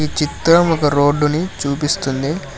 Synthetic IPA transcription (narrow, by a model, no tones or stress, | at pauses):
it͡ʃit̪ːɾɐmɔkɐɾo̞ːɖːunit͡ʃuːpist̪und̪i